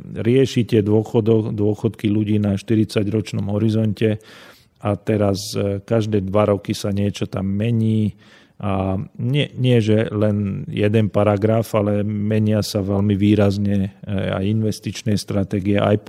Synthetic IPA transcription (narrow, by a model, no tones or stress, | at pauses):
ɾɪɛʃit̪ɪɛd̪ʊɔxɔd̪ɔd̪ʊɔxɔt̪kiluɟiːnaʃt̪iɾit͡saɟɾɔt͡ʃnɔmɦɔɾizɔncɛ | at̪ɛɾaskaʒd̪ɛːd̪ʋaɾɔkisaɲɪɛt͡ʃɔt̪amːɛɲiː | ʔaɲɪɛɲɪɛʒɛlɛnjɛd̪ɛnpaɾaɡɾafalɛmɛɲɪasaʋɛlmiʋiːɾazɲɛa̰jinʋɛst̪it͡ʃnɛjst̪ɾat̪ɛːɡiɛʔa̰j